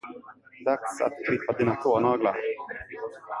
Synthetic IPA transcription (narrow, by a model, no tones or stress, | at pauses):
d̪aksa̰t̪ɧɪpːad̪iːnat̪ʰoːnɑːɡla̰ɾ